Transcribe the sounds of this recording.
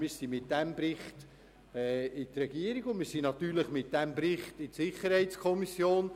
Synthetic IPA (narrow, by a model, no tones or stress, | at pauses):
mɪːɾsimɪt̚d̥ɛmbɾɪχt | ɛɪtɾɛɡiːəɾiɡ̥ʊnmɪːɾsinɑt̪yːɾləχmɪt̚d̥æmbɾɪχtɪtsɪχəɾhɛɪtt͡skʰɔmisjoːn